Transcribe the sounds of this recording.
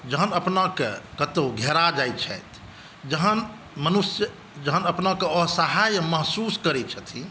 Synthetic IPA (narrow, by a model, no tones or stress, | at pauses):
d͡ʒəɦənəpnakekət̪oɡʱɛɾad͡ʒajt͡ʃʰɛ̰jt̪ʰ | d͡ʒəɦən | mənusjə | d͡ʒəɦənəpnakeɔɦsəɦajməɦsuskəɾɛt͡ʃʰət̪ʰi